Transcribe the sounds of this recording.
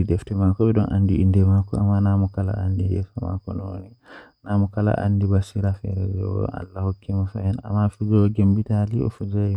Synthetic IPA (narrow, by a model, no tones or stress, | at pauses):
idɛftɛmakɔbɛɗɔnʔa̰ndiindɛmakɔamːanamɔkala̰andijɛ̰fama̰kɔnɔwo̰ninamɔkala̰ʔa̰ndibasiɾafɛɾɛd͡ʒɛwɔ̰a̰lːahɔkʰːɛmafa̰jɛna̰mːafiɡɔɡembitaliɔ̰fud͡ʒaj